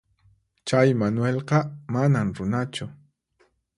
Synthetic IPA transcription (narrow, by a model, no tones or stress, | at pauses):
t͡ʃajmanʊwelqɑmanamɾʊnat͡ʃʊ